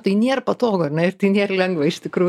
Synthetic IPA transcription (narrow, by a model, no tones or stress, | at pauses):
t̪ɐɪnʲeːrpɐt̪oːɡoːɐrnʲɛɪrt̪ɐɪnʲeːrlʲɛŋɡʋɐɪʃt̪ʲɪkɾuː